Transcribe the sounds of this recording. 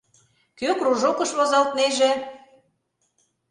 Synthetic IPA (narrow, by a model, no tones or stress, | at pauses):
køkruʒokɤ̆ʃβozɑlt̪̚neʒĕ